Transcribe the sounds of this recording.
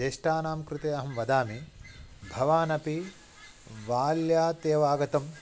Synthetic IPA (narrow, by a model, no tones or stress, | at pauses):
eːʂʈaːnaːmkɾut̪eːɐɦɐmʋɐd̪aːmibʱɐʋaːnɐpi | ʋaːljaːt̪eːʋaːɡɐt̪ɐm